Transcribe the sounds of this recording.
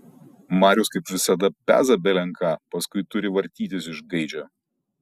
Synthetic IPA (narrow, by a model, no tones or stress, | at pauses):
mɑːɾʲʊːskɐɪpʋʲɪsɐd̪ɐpʲæ̰ːzɐbʲɛlʲɛŋˑkʰɑːpɐskʊɪt̪ʊɾʲɪʋɐɾʲt̪ʲiːt̪ʲɪsɪʒɡɐɪd͡ʒʲɛː